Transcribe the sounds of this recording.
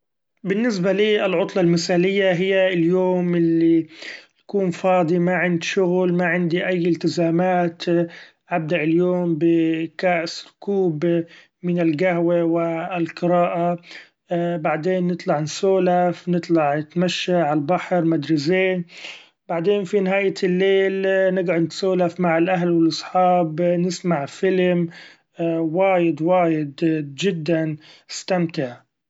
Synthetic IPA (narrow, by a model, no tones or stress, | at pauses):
bɪnːɪs̬baliːɪlʕʊt̪ˤlɑlmɪsaːlɪjːaɦɪjːaɪljoːmɪlːit̪ḁkuːnfɑːd̪ˤimaʕɪnd̪ʃʊɣlmaʕɪnd̪iʔajːɪlt̪ɪzaːmaːt̪ | ʔab̚d̪aʔɪljoːmbɪkaːʔsɪlkuːb | mɪnɪlɡahwewɪlqɨɾaːʔa | baʕd̪eːnːɨt̪ˤlɑʕnɪsoːlafnɨt̪ˤlɑʕnɪt̪maʃːaʕalbaħɾˤmad̪ɾɪseːn | baʕd̪eːnfinɪɦaːjalːeːlnɪɡʕʊd̪nɪt̪soːlafmaʕɪlʔaɦlwɪlʔɑsˤħɑːbnɪsmaʕfɪlm | waːjɪd̪waːjɪd̪d͡ʒɪd̪ːanɪst̪amt̪ɪʕ